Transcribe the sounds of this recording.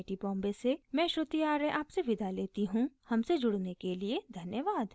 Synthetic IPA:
ʈibɔ̃ːmbesemɛ̃ːʃɾʊt̪ijaːɾeʔaːpseʋɪd̪ʱaleːt̪iɦũhɐmsed͡ʒʊɽnekelied̪ʱɐnjəʋaːd̪

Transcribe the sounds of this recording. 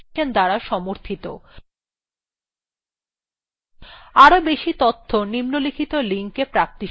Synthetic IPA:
end̪aɾaʃɔmoɾt̪ʰit̪o̰ | aɾobeʃit̪ot̪ʰːonimnolikʰit̪oliŋkepɾap̚t̪i

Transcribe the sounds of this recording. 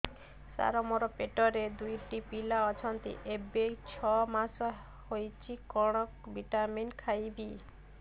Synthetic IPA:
sa̰ɾɔmɔɾɔpeʈɔɾed̪ujʈipilaɔt͡ʃʰɔnt̪ḭʔebekt͡ʃʰɔmas | hojt͡ʃʰikɔɽ̃ɔk̚biʈaminkʰajbi

